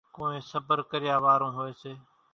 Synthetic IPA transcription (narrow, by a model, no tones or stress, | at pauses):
kõːẽːsəbəɾkəɾɪjaːʋaːɾõːɦoeːseː